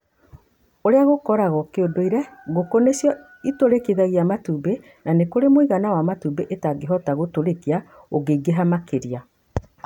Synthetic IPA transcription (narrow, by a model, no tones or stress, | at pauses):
oɾeaɣokɔɾaɣɔkeodoiɾɛɣokonesjɔ | itoɾekeðaɣiamatube | nanekoɾemoiɣanawamatubeʔetaɡeɦɔtaɣotoɾekia | oɡeiɡeɦamakeɾia